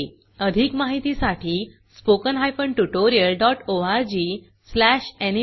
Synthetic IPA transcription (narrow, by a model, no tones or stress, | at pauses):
əd̪ʱikmaɦit̪isaʈʰiː | spokənɦajfəɳʈuʈoɾiəlɖɔʈoaɾd͡ʑiː | slæɕeni